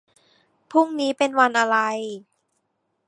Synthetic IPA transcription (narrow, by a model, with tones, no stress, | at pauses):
pʰu˥˩ŋniː˦˥pe˧nwa˧nʔa˧ɾa˧j